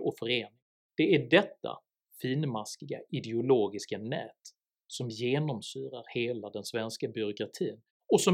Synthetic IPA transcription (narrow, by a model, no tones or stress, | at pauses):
ɔfœɾeːnɪŋ | d̪̥ɛæɖɛt̪ːa̰ | fiːnmaskɪɡa̰ɪd̪ɛʊloːɡɪskanɛ̰ːt̪ | sɔmjeːnɔmsyːɾaɾheːlad̪ɛnsvɛnskabʏɾʊkɾat̪ʰiːn | ɔsɔ